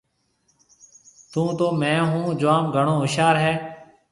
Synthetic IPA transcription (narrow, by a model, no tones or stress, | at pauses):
t̪ũːt̪oːmɛ̃ːɦũːd͡ʒoaːmɡʱəɳoːɦʊʃaːɾɦɛː